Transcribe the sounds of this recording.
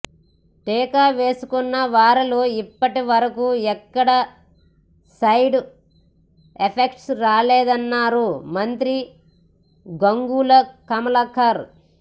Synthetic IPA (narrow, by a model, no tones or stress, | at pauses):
ʈeːkaːʋe̞ːsukunːɐʋaːɾiloːipːɐʈiʋɐɾɐkuːɛkːɐɽɐ | sɐjɖu | epʰekʈsɾaːleːd̪ɐnːaːɾumɐnt̪ɾi | ɡoŋɡuːlɐkɐmɐlɐkʰɐɾ